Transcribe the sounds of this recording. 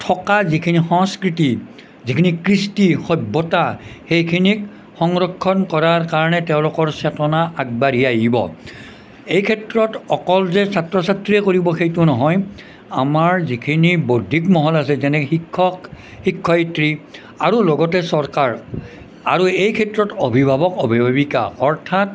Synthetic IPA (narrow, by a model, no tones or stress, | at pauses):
tʰɔkazikʰinixɔŋskɹiti | zikʰinikɹistixɔbːɔtaxejkʰinik | xɔŋɹɔkʰːɔnkɔɹaɹkaɹɔnɛtɛʊ̃lʊkɔɹsɛtɔnaʔaɡ̚baɹijajibɔ̰ | ejkʰɛtɹɔtɔkɔlzɛsatɹɔsatɹiɛkoɹibɔxejtʊnɔɦɔj | amaɹzikʰinibodʱikmɔɦɔlasɛzɛnɛikʰːɔ | xikʰːɔjtɹi | aɹulɔɡɔtɛsɔɹkaɹ | a̰ɹuejkʰɛtɹɔtobʱibʱabɔkobʱibʱabika̰ɔɹtʰat